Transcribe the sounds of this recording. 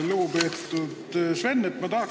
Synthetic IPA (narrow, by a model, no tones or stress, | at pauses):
lupeːt̪ːˑud̪svenːet̪ːmɑt̪ɑɑk